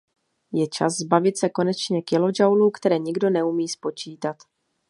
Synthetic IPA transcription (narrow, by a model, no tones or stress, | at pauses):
jɛt͡ʃa̰szbavɪt̪sɛko̞nɛt͡ʃɲɛkɪlo̞d͡ʒawluːkt̪ɛɾɛːɲɪɡdo̞nɛumiːspo̞t͡ʃiːt̪at̪